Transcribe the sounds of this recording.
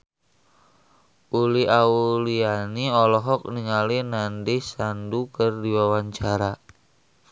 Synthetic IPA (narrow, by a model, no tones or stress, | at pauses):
ʔuliaulianiɔlɔɦɔk̚niŋalinandɪhsandukərdiwawaɲt͡ʃaɾa